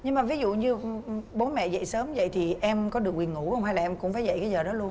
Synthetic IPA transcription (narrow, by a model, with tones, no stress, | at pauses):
ɲɨ˧ŋmaː˨˩vi˨˦zṵ˧˨ɲɨ˧ɓo˨˦nmɛ̰˧˨zə̰˧˨jsəː˨˦mzə̰˧˨jt̪ʰi˨˩ʔɛ˧mkɔ˨˦ɗɨ˨˩ək̚wi˨˩əŋu˧˩hə˧wŋ͡mha˧jlaː˨˩ʔɛ˧mkʊ̰˧˥ŋ͡mfaː˨˦jzə̰˧˨jkaː˨˦jzəː˨˩ɗɔ˨˦lu˧ən